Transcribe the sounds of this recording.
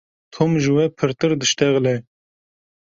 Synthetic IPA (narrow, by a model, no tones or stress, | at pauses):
t̪ʰomʒɨwɛpʰɨɾt̪ɨɾd̪ɨʃt̪ɛɣlɛ